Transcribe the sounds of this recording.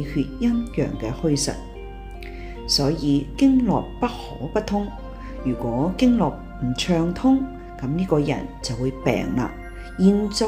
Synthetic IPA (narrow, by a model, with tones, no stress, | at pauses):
hyː˧t̚jɐ˥njœ̰ː˨˩ŋkɛː˧hɵ˥ɥsɐ̰˨t̚ | sɔː˨˥jiː˨˧kɪ˥ŋlɔː˨k̚pɐ˥t̚hɔː˨˥pɐ˥t̪ʰʊ˥ŋ | jyː˨˩kʷɔː˨˥kɪ˥ŋlɔː˨k̚m̩˨˩t͡ʃʰœː˧ŋt̪ʰʊ˥ŋ | kɐ˨˥mniː˥kɔː˧jɐ̰˨˩nt͡sɐ˨wuː˨˧jpɛ̰ː˨ŋla̰ː˧ | jiː˨nt͡so˧